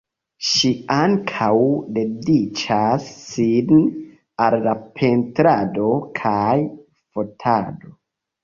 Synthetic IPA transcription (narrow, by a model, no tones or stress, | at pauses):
ʃiaŋkʰawde̞dit͡ʃasːin | alːapʰe̞ntɾado̞kʰaj | fotʰado̞